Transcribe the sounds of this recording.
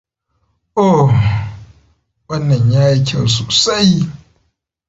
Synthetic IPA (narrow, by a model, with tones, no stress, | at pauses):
ʔo˨ | wɐ˦nːɐ˨ɲjaː˦jkʰʲɐ˦˨wsoː˨sa˦j